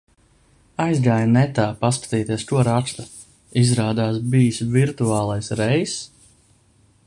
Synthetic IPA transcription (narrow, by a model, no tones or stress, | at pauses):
ajzɡaːjanɛt̪aːpaskḁt̪iːt̪iɛskuɔɾast̪a | izɾaːd̪aːs̬biːsviɾt̪uaːlˠajsɾɛjs